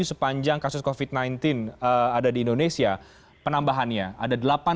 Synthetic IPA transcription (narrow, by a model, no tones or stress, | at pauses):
usəpaɲd͡ʒaŋkasʊskofit̪̚najnt̪ɪnəadadiːndonesia | pənambaɦanɲaa̰dadəlapa